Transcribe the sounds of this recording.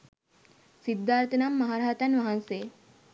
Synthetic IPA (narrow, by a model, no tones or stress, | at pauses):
sid̪ːaːɾt̪ɐnamːɐɦaːɾaɦɐt̪ɐnʋɐɦanse